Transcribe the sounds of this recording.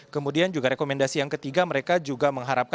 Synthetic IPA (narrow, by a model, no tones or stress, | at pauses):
kəmudiand͡ʒuɡaɾekomɛndasijaŋkət̪iɡaməɾekad͡ʒuɡaməŋɦaɾap̚k